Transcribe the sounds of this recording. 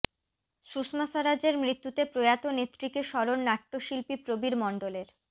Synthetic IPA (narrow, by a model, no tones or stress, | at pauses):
ʃuʃmasaɾad͡ʑeɾmɾit̪ːut̪epɾojat̪onet̪ːɾikeʃɔɾonnaʈːoʃilpipɾobiɾmɔɳɖoleɾ